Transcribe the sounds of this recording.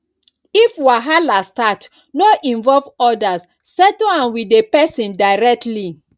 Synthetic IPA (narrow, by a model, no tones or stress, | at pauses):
ifwaɦalastat | noʔĩnvɔlvɔdas | sɛtoãnwidepɛsĩndaɪɹɛk̚tli